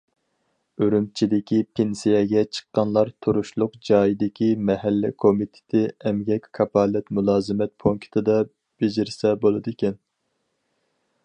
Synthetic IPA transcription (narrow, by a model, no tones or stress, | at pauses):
øɾymt͡ʃʰid̪ɪkʲipʰensijɛɡʲɛt͡ʃʰə̥qːɑnlˠɑɾt̪ʰuɾuʃlˠʊqd͡ʒɑːjid̪ɪkʲʰimɛhælːɪ̰kʰomit̪ʰɪ̥t̪ʰɪɛmɡʲɛkʲkʰɑpʰɑlɛt̪mulˠɑːzɨmɛt̪̚pʰoŋkʲʰi̥t̪ʰɨd̪ɑ | b̥ed͡ʒɪɾɪsɛbolˠɨd̪ɨkʲɛn